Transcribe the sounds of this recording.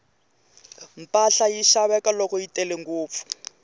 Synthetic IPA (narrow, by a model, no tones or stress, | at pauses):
m̩paɬajiʃaβɛkalokoitʼɛleŋɡoːp̪fu̥